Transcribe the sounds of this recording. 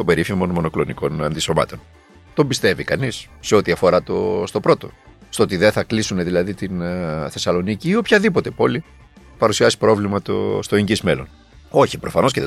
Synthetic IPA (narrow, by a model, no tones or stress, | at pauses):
o̞be̞ɾifimo̞nmo̞no̞klo̞niko̞nɐnd̪iso̞mɐ̰t̪o̞n | t̪o̞mbist̪e̞vikɐnis | se̞o̞t̪iɐfo̞ɾɐt̪o̰st̪o̞pɾo̞t̪o̞̰stoot̪iðeθɐklisuneðilɐðit̪inθe̞sɐlo̞niciːo̞pçɐðipo̞t̪e̞po̞li | pɐɾusiɐsi̥pɾo̞vlimɐt̪o̰st̪oeɲɟizme̞lo̞̰n | o̞çipɾo̞fɐno̞sceð